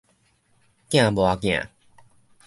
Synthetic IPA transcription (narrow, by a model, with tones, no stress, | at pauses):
kj̃ã˥˨bwa˨kj̃ã̰˨